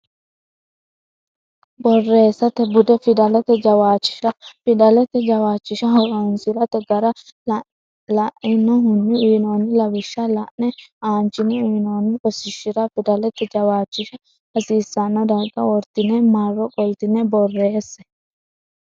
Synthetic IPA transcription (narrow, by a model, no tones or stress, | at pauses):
bɔrːe̞ːsːɐt̪ːɛbʊd̪ɛfɪd̪ɐlɛt̪ɛd͡ʒɐwaːt͡ʃːɪ̥ʃɐfɪd̪ɐlɛt̪ːɛd͡ʒɐwaːt͡ʃːɪʃɐɦɔɾɔnsɪɾɐt̪ɛɡɐɾɐ | lɐʔɪnːɔɦʊnːɪʊjnoːnːɪlɐwɪʃːɐlɐʔnɛaːnt͡ʃːɪnɛʊjnoːnːɪʔɔsɪʃːɪɾɐfɪd̪ɐlɛt̪ːɛd͡ʒɐwaːt͡ʃːɪʃɐ | hɐsiːsːɐnːɔd̪ɐɡɐwɔɾt̪ɪnɛmarːɔkʼɔjt̪ɪnɛbɔrːeːsːɛ